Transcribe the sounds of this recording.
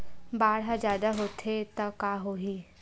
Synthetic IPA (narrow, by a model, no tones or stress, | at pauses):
baːɽɦad͡ʒjaːd̪aɦoːt̪ʰet̪ɐkaːɦoːɦiː